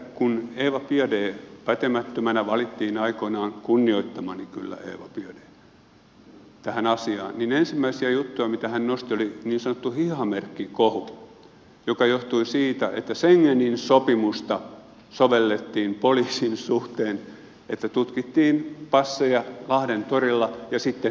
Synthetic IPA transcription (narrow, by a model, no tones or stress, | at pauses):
kuneːʋɑpiɑdeːpæt̪emæt̪ːømænæʋɑlit̪ːiːnɑikonɑːŋkunːioit̪ːɑmɑnikylːæ̰ḛːʋɑpiɑdeː | t̪æhænɑsiɑ̰ːnninensimːæisiæjut̪ːujɑmit̪æhænnost̪ioliniːnsɑnot̪ːuhihɑmerkːikohu | jokɑjoht̪uisiːt̪æʔḛt̪ːæseŋːeninsopimust̪ɑ | soʋelːet̪ːiːmpoliːsinsuht̪eːn | et̪ːæt̪ut̪kit̪ːiːnpɑsːejɑlɑhɾent̪orilːɑjɑsit̪ːe